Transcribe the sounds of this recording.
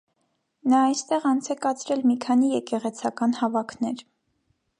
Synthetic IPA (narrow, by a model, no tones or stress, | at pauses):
nɑɑjst̪ɛʁɑnt͡sʰɛkɑt͡sʰɾɛlmikʰɑnijɛkɛʁɛt͡sʰɑkɑnhɑvɑkʰnɛɾ